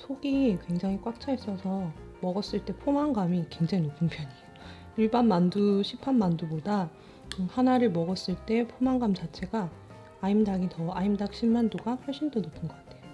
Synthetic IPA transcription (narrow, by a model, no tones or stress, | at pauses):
sʰoɡikwe̞ŋd͡ʑaŋɦikwak̚t͡ɕʰaes͈ʌsʰʌmʌɡʌs͈ɯɭt͈e̞pʰomaŋɡamikwe̞ŋd͡ʑaŋopumpʰjʌɲi | iɭbanmanduɕʰipʰanmanduboda | ɯhanaɾɯɭmʌɡʌs͈ɯɭt͈e̞pʰomaŋɡamt͡ɕat͡ɕʰe̞ɡaː | imdaɡitʌaimdak̚ɕ͈ʰimmandoɡaɸʌɭɕ͈indonopʰɯnɡʌɡatʰe̞o